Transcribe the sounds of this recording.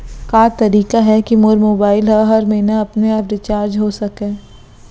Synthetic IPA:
kaːt̪ɐɾiːkaɦɛkimoɾmoːbaːɪlɦɐɦɐɾmẽːnaɐpneɐpɾɪt͡ʃaːɾd͡ʒɦosɐkẽː

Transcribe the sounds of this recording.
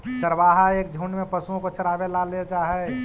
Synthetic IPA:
t͡ʃəɾʋaːɦaeːk̚d͡ʒʱuːnmẽpəsuõkot͡ʃəɾaːbelalet͡ʃaːɦɛ

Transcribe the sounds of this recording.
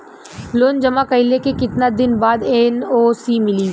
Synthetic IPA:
loːnd͡ʒɐmakəɪlekekɪt̪nad̪ɪnbaːd̪ɛnoːsiːmɪli

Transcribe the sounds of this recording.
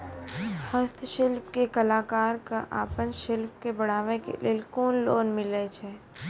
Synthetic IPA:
həst̪ʰʃɪlpkekɐlaːkaːɾkaʔa̰ːpənʃɪlp̚kebɐɽ̤aːʋẽkḛlielkoːnloːnmɪlet͡ʃʰɛː

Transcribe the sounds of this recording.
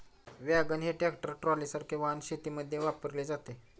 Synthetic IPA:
ʋjaɡənɦeʈekʈəɾʈɾɔlisaɾkʰeʋanɕet̪iːməd̪ʱːjeʋapəɾled͡zat̪e

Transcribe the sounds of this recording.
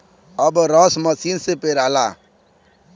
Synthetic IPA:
ɔbɾɔsməsinsepeɾala

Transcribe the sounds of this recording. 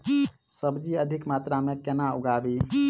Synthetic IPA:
səbd͡ʒiəd̪ʱikmat̪ɾamẽkenauɡabi

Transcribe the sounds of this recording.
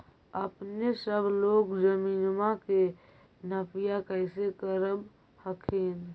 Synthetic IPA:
əpnesəbʱloɡd͡ʒəminmake | nəpʰijakəɪsekəɾəb | həkʰen

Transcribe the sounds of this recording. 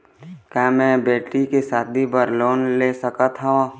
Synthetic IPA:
kaːmɛ̃ːbeːʈːikesaːt̪̚bʱibəɾloːnleːsəkət̪ʰɦaõ

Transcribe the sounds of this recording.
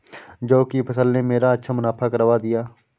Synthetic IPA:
d͡ʒoːkipʰəsəlnemeːɾaətːʃʰamʊnaːpʰakəɾəʋad̪ɪjaː

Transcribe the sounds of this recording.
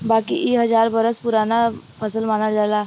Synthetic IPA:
baːkiʔeɦɐd͡ʒaːɾbəɾəspʊɾaːnapʰəsəlmaːnad͡ʒaːlaː

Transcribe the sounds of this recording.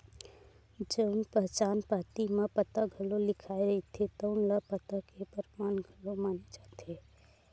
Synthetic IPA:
d͡ʒəʊnpəɦt͡ʃanpat̪imepət̪əɡʱəlolikʰaeɾəɦit̪ʰet̪əʊnləpət̪əkːepəɾmanɡʱəlomaned͡ʒat̪ʰi

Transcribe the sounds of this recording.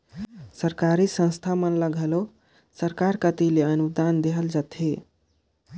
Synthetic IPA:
səɾkaɾisə̃ñst̪ʰamənləɡʱəlo | səɾkaɾkət̪ileənud̪and̪eɦəld͡ʒat̪ʰi

